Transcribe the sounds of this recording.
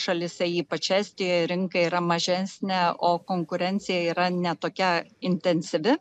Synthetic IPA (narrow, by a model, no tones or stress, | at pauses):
ʃɐlʲɪsʲɛiːpɐt͡ʃʲæːsʲt̪ʲɪjoːjɾʲɪŋkɐiːɾɐmɐʒʲɛsʲnʲɛoːkoːŋkʊɾʲɛnʲtsʲɪjɛiːɾɐnʲɛt̪oːkʲɛɪnʲt̪ʲɛnʲsʲɪʋʲɪ